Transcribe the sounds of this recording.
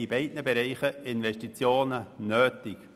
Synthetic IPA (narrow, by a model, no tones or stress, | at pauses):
ibɛɪdnəbɛɾɛɪχəɪnvɛʃtit͡sjoːnənøːtɪk